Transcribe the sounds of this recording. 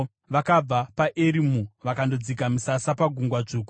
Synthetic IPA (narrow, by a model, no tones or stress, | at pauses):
ʋakab͡vapaʔeɾimuʋakando̞d͡zik̬amusasapaɡʱuŋɡwad͡ʐuːku̥